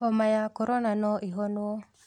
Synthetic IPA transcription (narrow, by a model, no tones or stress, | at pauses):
ɔmajakɔɾɔnanɔʔiɦɔno